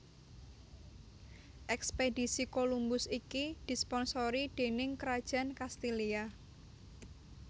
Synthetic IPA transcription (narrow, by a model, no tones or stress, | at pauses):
ʔɛksped̥i̤sikolumbʊsikid̪̥i̤spɔnsoɾid̪̥e̤nɪŋkəɾad̥ʒ̥a̤nkast̪ilia